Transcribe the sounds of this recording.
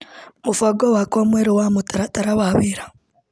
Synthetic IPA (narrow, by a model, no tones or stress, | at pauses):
mufwaɡowakomweɾowaːmutaɾataɾaβaβiɾḁ